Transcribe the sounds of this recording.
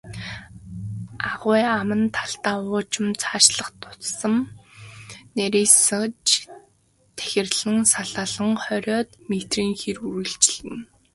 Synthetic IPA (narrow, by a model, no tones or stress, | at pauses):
aʁʊːamə̆nt̪ʰaɬt̪aːʊːt͡ɕɪ̆mt͡sʰaːʃɮə̆χt̪ʰʊ̥t͡ssə̆m | neɾiːsə̆t͡ɕ | t̪ʰæ̥xʲɪ̆rɮɘ̆ŋsaɮaːɮə̆ŋχœɾʲɔːt̪met̪riːŋxiruɾɘ̆ɬt͡ɕɪ̆ɮɘ̆n